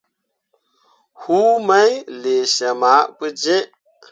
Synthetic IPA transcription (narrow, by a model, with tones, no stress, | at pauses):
hu˦ma˦jle˨ʃa˨ma˨˦pɨ˦d͡ʒe˦ʔ